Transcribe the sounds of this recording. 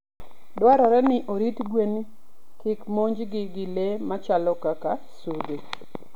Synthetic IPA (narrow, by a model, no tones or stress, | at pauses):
dwaɾɔɾɛnɪʔoɾitɡwen | kɪkmoɲd͡ʒɡɪɡɪlemat͡ʃalɔkaka | sude